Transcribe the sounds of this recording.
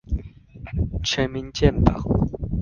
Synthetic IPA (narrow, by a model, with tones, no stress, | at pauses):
t͡ɕʰɛ˨˦nmi˧˦nt͡ɕjɛ˥˨np̪a̰˨˩˨